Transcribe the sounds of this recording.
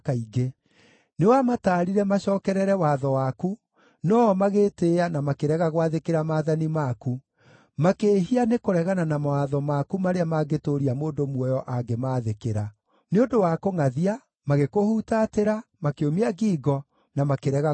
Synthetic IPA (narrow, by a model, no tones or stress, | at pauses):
kaiɡe | newamataːɾiɾɛmaɕɔːkɛɾɛɾɛwaðɔwaku | nɔmaɣeːteːanamakeɾɛɣaɣowaðekeɾamaːðanimaku | makeːɦianekoɾɛɣananamawaðɔmakumaɾeamaɡetoɾiamoːndomwɔjɔʔaɡemaːðekeɾa | neodowakoŋaðia | maɣekohutateɾamakeomiaɡiːɡɔ | namakeɾɛɣa